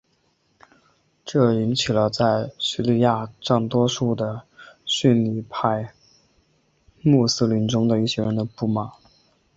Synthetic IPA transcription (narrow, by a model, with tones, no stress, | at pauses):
ʈ͡ʂɤ˥˩i˧˥nt͡ɕʰi˨˩lə˦t͡sa˥˩ɪɕi˧˥li˥˧ja˥˧ʈ͡ʂɑ˥˩ŋt̪wɔ˥ʂu˥˩d̪ə˩ɕy˥˧nli˥˧˩pʰa˥˧ɪ | mu˥˩s̩˥li˧˥nʈ͡ʂʊ˥ŋd̪ə˨i˥˩ɕjɛ˥ɻə˧˥nd̪ə˧pu˥˩ma˨˩˦